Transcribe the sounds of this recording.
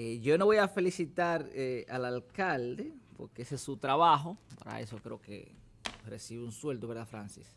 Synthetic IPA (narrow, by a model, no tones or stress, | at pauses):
eʝo̞no̞βo̞jafe̞lisit̪aɾealalkald̪epo̞̰ɾkeesesːut̪ɾaβaxo̞pa̰ɾa̰ḛso̞kɾe̞okḛ | resiβeunswe̞ld̪oeɾðafɾansis